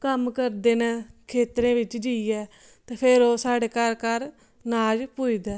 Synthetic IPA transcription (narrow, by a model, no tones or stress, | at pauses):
kəmkəɾd̪eːnɛːkʰeːt̪ɾẽːʋɪt͡ʃd͡ʒiiɛː | t̪eːpʰɪɾoːsaːɖeːkəɾkəɾ | naːd͡ʒpuiːd̪ɛː